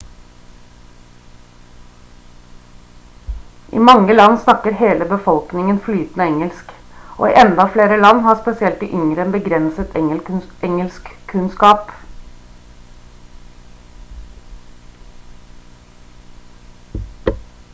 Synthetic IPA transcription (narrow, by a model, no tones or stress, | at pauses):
ʔḭːmɑŋːəlɑnsnɑkːəɾɦeːləbəfɔlknɪŋənflyːt̪nəɛŋəlsk | ʔo̰ːḭːʔɛnd̪ɑfleːɾəlɑnːhɑːspɛsɪɛlt̪ɪʔʏŋɾəɛnbəɡɾɛnsət̪ʰɛʔɛŋəlskʰːʉnskɑːp